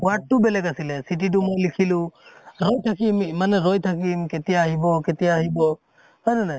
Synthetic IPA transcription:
waʈ̚ːubɛlɛkasilɛsit̬it̬umɔjlikʰiluɾɔjt̪ʰakimmanɛɾɔjt̪ʰakimkɛtijaɦibɔkɛtijaːɦibɔ | hɔjnɛnaj

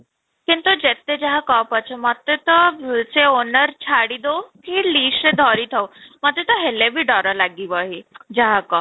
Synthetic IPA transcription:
kint̪ud͡ʑet̪ːed͡ʑaɦakɔpət͡ɕʰemat̪et̪ɔt͡seonəɾt͡ɕʰaɽid̪okiliːsed̪ʱɔɾit̪ʰəwmat̪et̪ɔɦelebʱiɖɔɾəlaɡiʋaɦid͡ʑaɦakɔ

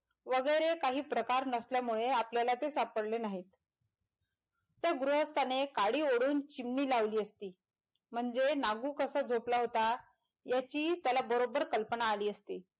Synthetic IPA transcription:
ʋəɡəjɾekaɦiːpɾəkaɾnəsljamuɭeapljalat̪esapəɽlenaɦiːt̪ | jaɡɾuɦəst̪anekaɽiːoɽuːnt͡ɕimniːlaʋliːəst̪iː | m̤əɳd͡zenaɡuːkəsad͡zʱoplaɦot̪a | jat͡ɕiːt̪jalabəɾobəɾkəlpənaːliːəst̪iː

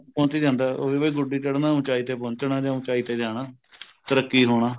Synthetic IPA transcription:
pɔ̃ːnt͡ʃiːd͡ʒãːnd̪aːo̰ːʋeːbaiːɡʊɖiːt͡ʃəɽnaːũːt͡ʃaːiːt̪eːpõːnt͡ʃnãːd͡ʒãːũːt͡ʃaːiːt̪eːd͡ʒaːɽaː | t̪əɾəkːiːɦoːɽ̃aː

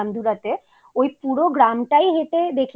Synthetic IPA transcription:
amd̪uɾat̪e | ojpuɽoɡɾamʈajɦet̪ed̪ekʰ

